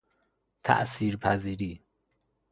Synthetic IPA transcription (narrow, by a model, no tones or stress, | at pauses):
t̪ʰæ̰ʔsiːɾpʰæziːɾiː